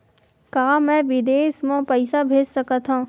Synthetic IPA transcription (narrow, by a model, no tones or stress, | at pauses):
kaːmɛ̃ːʋɪd̪eːsmõpəɪsabʱeːd͡ʒsɐkat̪ɦãː